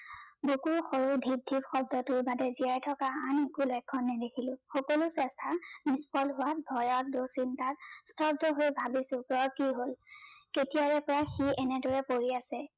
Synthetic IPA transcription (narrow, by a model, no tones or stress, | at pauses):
bukuɹxɔɹudʱib̚dʱibxɔb̚dɔtʊɹbadɛziaɹtʰɔkaanekulɔjkʰːɔnːɛdekʰilʊ̃xɔkɔlʊsɛstʰanispɔlɦʊwat̚bʱɔjɔt̚dosintatstʰɔb̚dɔɦojbʱabisʊ̃pɹɔkiɦolketiaɹɛpɔɹaxiʔɛnɛdɔɹɛpoɹiasɛ